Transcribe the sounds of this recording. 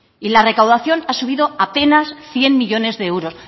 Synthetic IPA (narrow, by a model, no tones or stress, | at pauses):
ilare̞kawðaθjo̞nasuβ̞iðo̞ape̞nasθje̞nmiʎo̞ne̞zðe̞ewɾo̞s